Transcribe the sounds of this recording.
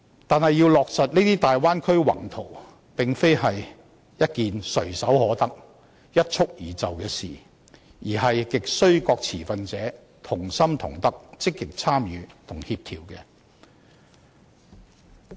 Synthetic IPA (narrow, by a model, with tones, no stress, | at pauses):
t̪aː˨nhɐ˨jːiː˧wlɔː˨k̚sɐ˨t̚ni˥t̪iː˥t̪aː˨jwaː˥nkʰɵ˥ɥwɐ̰˨˩ŋt̪ʰo˨˩w | pɪ˨ŋfe˥jhɐ˨j | jɐ˥t̚kiː˨nsɵ˨˩ɥsɐ˨˥whɔː˨˥t̪ɐ˥k̚ | jɐ˥t̚t͡ʃʰʊ˥k̚jiː˨˩t͡sɐ˨wkɛː˧sḭː˨ | jiː˨˩ɦɐ˨jkɪ˨k̚sɵ˥ɥkɔː˧k̚t͡sʰiː˨˩fɐ˧nt͡sɛː˨˥ | t̪ʰʊ˨˩ŋsɐ˥mt̪ʰʊ̰˨˩ŋt̪ɐ˥k̚t͡sɪ˥kːɪ˨k̚t͡sʰaː˥mjyː˨˦t̪ʰʊ˨˩ŋhiː˧p̚t̪ʰiː˨˩wkɛː˧